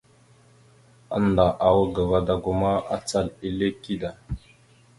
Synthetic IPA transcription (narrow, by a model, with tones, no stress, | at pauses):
a̰˦n˨da˨ʔa˨wə˦ɡa˨va˦da˨ɡu˦ma˦a̰˦t͡sa˦˨li˦le˦ki˦da˨